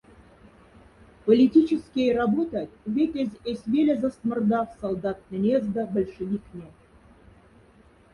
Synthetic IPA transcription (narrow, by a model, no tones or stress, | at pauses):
polʲit̪ʲit͡ɕə̆skʲejrɑbot̪ɑt̪ʲvʲet̪ʲezʲesʲvʲelʲezɑst̪mə̆rd̪ɑfsɐlˠd̪ɑt̪̚nʲĕnʲezd̪ɑbə̆lʲʃɘvʲiknʲe